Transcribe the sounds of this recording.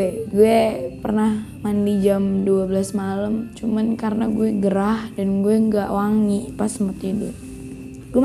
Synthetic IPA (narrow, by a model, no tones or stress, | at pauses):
ɛɡuɛpərnahmandid͡ʒamduabəlasmaləmt͡ʃumankaɾənaɡuɛɡəɾahdanɡuɛŋɡaʔwaŋipasəmərt̪idu | ɡuɛ